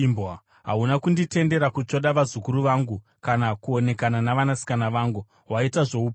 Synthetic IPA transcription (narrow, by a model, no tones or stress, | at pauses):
mba | ɦa̰ɦunakundite̞nde̞ɾakut͡ʃo̞ɗaʋazukuɾuʋaːŋɡu | kanakuo̞ne̞kananaʋanasi̥kanaʋaːŋɡu | ɦwaitaʐo̞up